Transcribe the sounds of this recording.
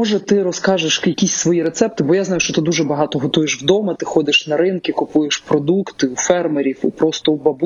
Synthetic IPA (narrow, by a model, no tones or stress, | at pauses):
ɔʒɛt̪ɪɾɔskɑʒeʃjɐkʲisʲsʋɔjiɾet̪sɛp̚t̪ɪbɔjaznɑjʊʃt͡ʃɔt̪ɪd̪uʒɛbɐɦɑt̪ɔɦɔt̪ujeʃwd̪ɔmɐt̪ɪxɔd̪ɪʃnɐɾɪnkʲɪkʊpujeʃpɾɔd̪ukt̪ɪufɛrmeɾʲiwupɾɔst̪ɔubɐbu